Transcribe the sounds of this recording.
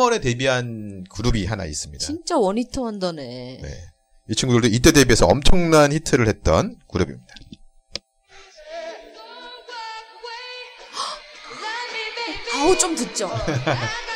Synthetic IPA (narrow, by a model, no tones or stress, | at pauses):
ʌɾe̞te̞biɦankuɾubiɦana̰ḭs͈ɯmɲit͡ɕaint͡ɕ͈awʌɲitʰoandʌne̞ne̞̰ | it͡ɕʰiŋɡudɯɭdoit̬͈e̞de̞bie̞sʰʌʌmt͡ɕʰʌŋnançitʰɯɾɯɭhe̞t̚t͈ʌnkuɾubḭmɲid̥a | kaut͡ɕ͈omtɯt̚t͡ɕ͈o